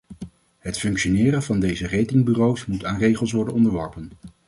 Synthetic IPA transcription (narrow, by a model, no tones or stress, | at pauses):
ɦətfɵŋkʃonɪːɾənvɑndejzərejtɪŋbyrowsmutaːnrejχəlˠsʋɔɹdənɔndəɹʋɔɹpən